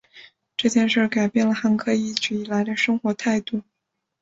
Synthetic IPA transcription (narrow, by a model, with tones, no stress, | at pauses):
ʈ͡ʂɤ˥˧t͡ɕjɛ˥˧nʂə˞˥˩ka˨˩ɪpjɛ˥˩nlə˩xa˧˥nkʰɤ˥˧i˥˩t͡ɕy˨˩i˥˩la˧˥ɪd̪ə˧ʂɤ˥ŋxwɔ˧˥t̪ʰa˥˧ɪt̪u˥˩